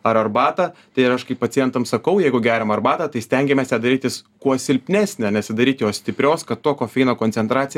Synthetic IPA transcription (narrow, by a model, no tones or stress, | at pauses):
ɐɾɐrbɑːt̪ɐːt̪ɐɪɪɾɐʃkɐɪppɐtt͡s̪sʲɪjɛnt̪ɐmsɐkɐʊjɛɪɡʊɡʲæːɾʲɛmɐrbɑːt̪ɐt̪ɐɪsʲt̪ʲɛŋʲɡʲɛmʲɛsjɛd̪ɐɾʲiːt̪ʲjɪskuɔsʲɪlʲpʲnʲæːsʲnʲenʲɛsʲɪd̪ɐɾʲiːt̪ʲjoːsʲt̪ʲɪpʲɾʲoːskɐt̪t̪ːoɔkoːfʲɛɪnoːkoːnʲt͡s̪ʲɛnt̪ɾɑːt͡ssʲɪj